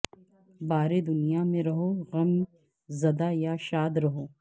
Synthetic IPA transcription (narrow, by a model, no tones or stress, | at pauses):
baːɾed̪ʊnijamẽɾɐɦoɣɐm | zɐd̪ajaʃaːd̪ɾɐɦoː